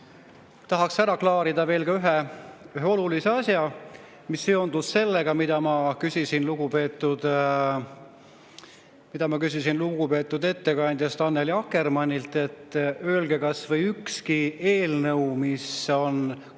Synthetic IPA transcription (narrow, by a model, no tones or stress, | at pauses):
t̪ɑɦɑksæɾɑklɑːɾid̪̥ɑve̞ːlkɑyɦe̞yɦeo̞lulise̞ɑsjɑ | misːeo̞nd̪usse̞lːe̞ɡ̥ɑmid̪̥ɑmɑkysʲisinluɡupe̞ːt̪ːˑud̪̥ | mid̪̥ɑmɑkys̬ʲisinluɡupe̞ːt̪ːˑud̪e̞t̪ːe̞kɑnʲd̪̥ʲjɑst̪ɑnːeliɑkːe̞rmɑnʲːilt̪ːˑe̞t̪ːˑøːlɡe̞kɑsvɤjykskie̞ːlnɤwmiso̞n